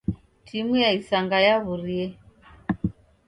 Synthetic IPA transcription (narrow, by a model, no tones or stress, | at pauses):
tʰimujaisaŋɡajaβuɾiɛ